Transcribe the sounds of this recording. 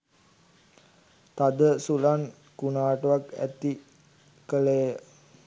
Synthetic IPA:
t̪ad̪əsulan | kunaːʈəʋakæ̰t̪i | kəlejə

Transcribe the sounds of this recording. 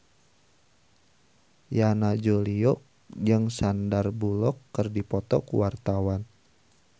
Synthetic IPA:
janad͡ʒoliɔk̚ | d͡ʒəŋsandarbulɔkːərdipɔt̪ɔ̰kuwart̪awan

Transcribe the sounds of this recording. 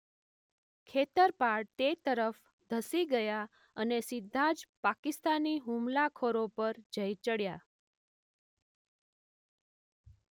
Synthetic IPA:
kʰet̪əɾpaɽt̪et̪əɾəf | d̪ʱəsiɡəja | ənesɪd̪ʱːad͡ʒpakɪst̪aniɦũmlakʰoɾopəɾd͡ʒəjt͡ʃəɽja

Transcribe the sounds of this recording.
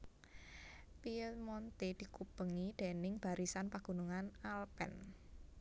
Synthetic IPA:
piət̪mɔnt̪ed̪̥i̤kub̥əŋid̪̥e̤nɪŋb̥a̤ɾisanpaɡ̥ṳnuŋanalpɛ̰n

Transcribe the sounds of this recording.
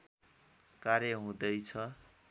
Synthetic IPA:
kaɾjʌɦũd̪ʌjt͡sʰʌ

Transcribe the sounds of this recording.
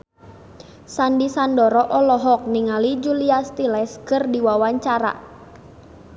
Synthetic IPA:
sandisandɔɾɔʔɔlɔɦɔk̚niŋalid͡ʒuliast̪ilɛskɨrdiwawaɲt͡ʃaɾa̰

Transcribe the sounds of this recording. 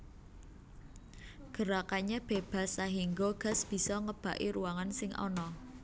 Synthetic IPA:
ɡ̥ə̤ɾakaɲab̥e̤b̥a̤saɦiŋɡoɡ̥ä̤sb̥i̤sɔŋəb̥ä̤ʔiɾuwaŋansɪŋʔɔ̰nɔ

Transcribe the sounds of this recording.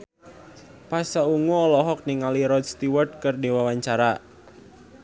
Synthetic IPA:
pasauŋɔlɔɦɔk̚niŋaliɾɔd̪̚st̪iwart̪̚kɨrdiwawaɲt͡ʃaɾa

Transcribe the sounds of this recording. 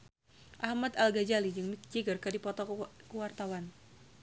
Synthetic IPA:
ʔahmad̪alɡad͡ʒalid͡ʒɨŋmikd͡ʒiɡərkadipɔt̪ɔkuwart̪awan

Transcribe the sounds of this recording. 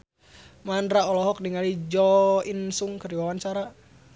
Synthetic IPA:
mandɾaɔlɔɦɔk̚diŋalid͡ʒɔinsuŋkəriwawant͡ʃaɾa

